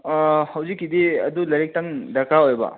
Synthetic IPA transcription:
hɐwzikːidiɐ̰dulɐɾik̚tɐŋdɐkʰaojbɐ̰

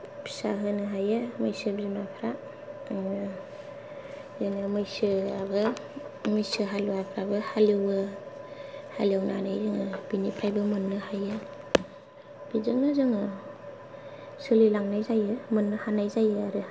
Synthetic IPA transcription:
bi̥saɦɯnɯɦajɯmɯjsɯbizinapʰɾa | ŋɯ | zɯnɯmɯjsɯabɯ | mɯjsɯɦaluapʰɾabɯhalɯwɯ | ha̰liawna̰najzɯŋɯb̥inipʰɾajbɯmɯnːɯhajɯ | b̥izɯŋnɯzɯŋɯ | sɯlilaŋnajzajɯmɯnːɯhanajzajɯaɾɯ

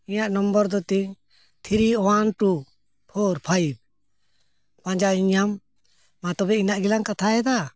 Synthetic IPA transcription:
ijaʔnɔmbɔɾd̪ɔt̪iɲ | t̪ʰiɾiɔwanʈu | pʰɔɾpʰajb̚ | pãd͡ʒaiɲamː | at̪ɔbɛinaʔɡilaŋkat̪ʰaɛd̪a

